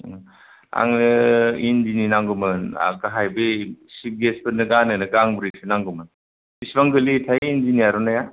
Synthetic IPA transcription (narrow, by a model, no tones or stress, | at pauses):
a̰ŋnɯindininaŋɡɯmɯna̰kaɦajbesip̚ɡesbɯnɯɡanɯnɯɡaŋbɯɾisʰɯnaŋɡɯmɯn | bisbaŋɡɯlitʰajind͡ʒinijaɾɔnaja